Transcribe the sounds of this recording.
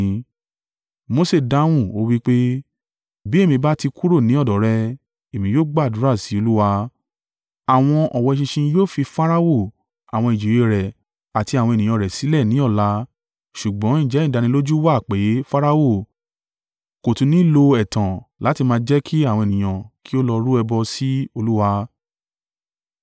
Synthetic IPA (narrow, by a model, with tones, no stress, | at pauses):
mo˦se˦˨da˦w̃ũ˦˨o˦wi˦k͡pe˦ | bi˨˦e˦˨mĩ˧ba˦ti˧kʰu˦ɾo˦˨nĩ˨˦ɔ˦˨dɔ˨˦ɾɛ˧ | e˨mĩ˧˦jo˦ɡ͡ba˦˨du˨˦ɾa˦˨si˨˦o˧lu˦wa˧ | a˨w̃ɔ̃˧ɔ˨wɔ˧˨ʃĩ˧ʃĩ˧joː˦˨fi˧fa˦ɾa˧wo˦˨ | a˨w̃ɔ̃˧i˨d͡ʒi˨e˧ɾɛ˨ | a˨ti˧a˨wɔ̃˧e˨nĩ˨j̃ã˧˨ɾɛ˨si˨˦lɛ˦˨nĩ˨˦ɔ˦˨la˧˦ | ʃu˨ɡ͡bɔ̃˨˦ĩ˦˨d͡ʒɛ˨˦ĩ˦˨da˧nĩ˧lo˦d͡ʒu˦wa˦˨k͡pe˨˦fa˦ɾa˧wo˦˨ | ko˨tũ˧nĩ˨˦lo˧ɛ˨tã˨la˨˦ti˧mãː˧d͡ʒɛ˦kʰi˦a˦˨wɔ̃˧e˨nĩ˨j̃ã˨ki˦o˦lɔ˧ɾu˦ɛ˧bɔ˧si˦o˧lu˦wa˧